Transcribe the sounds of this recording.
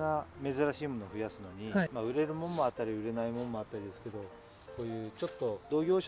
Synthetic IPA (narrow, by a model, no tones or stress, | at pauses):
ame̞zɨɾaɕiːmo̞noːɸɯ̟jasɨno̞ɲ̟imaɯ̟ɾe̞ɾɯ̟mõ̞mːo̞at̪ːaɾʲiɯ̟ɾe̞naimõ̞mːo̞at̪ːaɾʲid̪e̞sɨ̥ke̞d̪o̞ | ko̞ːjɯ̟ːt͡ɕo̞t̪ːo̞d̪o̞ːɡʲo̞ːɕ